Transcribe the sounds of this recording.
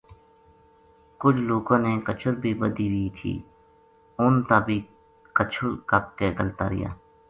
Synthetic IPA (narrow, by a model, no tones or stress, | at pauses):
kʊd͡ʒʰloːkõːneːkət͡ʃʰʊɾbʱiːbəd̪iːʋit̪ʰḭː | ʊnt̪aːbʱiː | kət͡ʃʰʊɾkap̚keːɡəlt̪aːɾɪ̰ja̰ː